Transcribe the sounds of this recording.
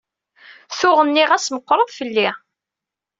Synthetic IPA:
θʊʁənːiʁæsməqːɾˤəðˤfəlːi

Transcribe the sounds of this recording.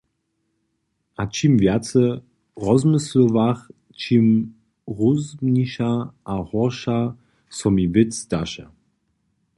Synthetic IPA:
ʔat͡ʃimvjat͡sə | ʁɔzmɪsləvaχ | t͡ʃim | ʁuzmniʃaʔahɔʁʃa | sɔmivɪt͡sd̥aʃɛ

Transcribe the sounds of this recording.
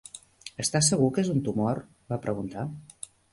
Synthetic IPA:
əst̪asəɣukezunt̪umɔr | βapɾəɣunt̪a

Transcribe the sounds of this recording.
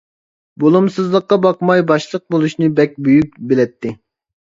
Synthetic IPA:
bolˠumsɨzlˠəqːɑbɑqmɑjbɑʃlˠəq̚bolˠuʃnɨbɛk̚ʲbyjyk̚ʲbelɛt̪ʰːɪ

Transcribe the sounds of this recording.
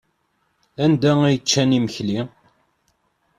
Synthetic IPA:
ænd̪æijət͡ʃːæniməçli

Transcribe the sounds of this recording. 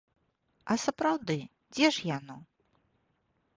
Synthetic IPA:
ɐsɐpɾawd̪ɨ | d͡zʲɛʂjanɔ

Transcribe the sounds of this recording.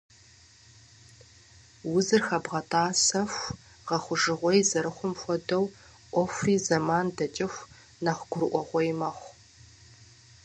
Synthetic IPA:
wʊzɨrxɐbʁɐtʰʼaːsɐfʷ | ʁɐχʷʊʒɨʁʷɔjzɐɾɨχʷʊmxʷɔdɐw | ʔʷɔfiːzɐmaːndɐt͡ʃʼɪxʷ | naχʷɡʷʊɾɨʔʷɔʁʷɔjmɐχʷ

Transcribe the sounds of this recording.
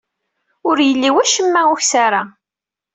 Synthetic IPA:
ʊɾjəlːiwæʃəmːæʊçsaɾa

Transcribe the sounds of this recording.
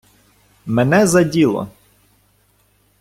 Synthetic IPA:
mɛnɛzɐdʲilˠɔ̰

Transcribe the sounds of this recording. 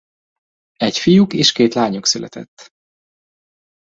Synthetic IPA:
ɛcfijukeːʃkeːt̪laːɲuksylɛ̰t̪ɛ̰t̪ː

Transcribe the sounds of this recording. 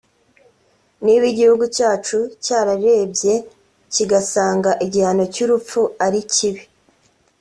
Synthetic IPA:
niβiɟihuɡucaːt͡ʃucaːɾaɾe̞ːbje̞ | ciɡasaːŋɡaʔiɟihanocuɾup͡ffuaɾiciβi

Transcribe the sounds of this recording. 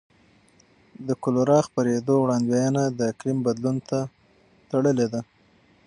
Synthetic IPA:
d̪əkʊloɾɑxpaɾed̪owɽɑnd̪wajənad̪əklɪmbad̪lunt̪a | t̪aɽəled̪a

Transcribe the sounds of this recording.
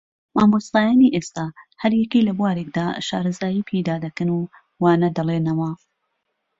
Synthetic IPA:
maːmost̪aːjaːniʔest̪aːhɐɾjɛkilɐbwaːɾek̚d̪aːʃa̰ːɾɐzaːjiːpʰejd̪aːd̪ɐkɨnu | waːnɐd̪ɐlˠeːnɐwɐ

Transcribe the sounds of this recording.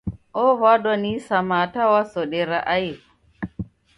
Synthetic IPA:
ʔɔvadɔnisamatawasɔɗɛɾaʔaji

